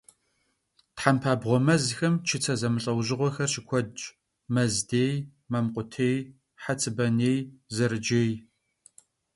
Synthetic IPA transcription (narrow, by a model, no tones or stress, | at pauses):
tħampʰaːbʁʷɔmɐzxɐmt͡ʃʰɪt͡sʰɐzɐmɨɬʼɐwʑɪʁʷɔxɐrʃɪkʷʰɔdt͡ʃ | mɐzdeːj | mɐmqʷʼʊtʰeːj | ħat͡sʰʼɨbɐneːjzɐɾɨd͡ʒeːj